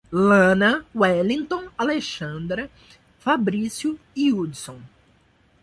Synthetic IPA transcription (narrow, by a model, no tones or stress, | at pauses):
lɐ̃nɐwɛlĩŋt̪õaleʃɐ̃nd̪ɾɐ | fabɾisjʊ | iud̪sõw̃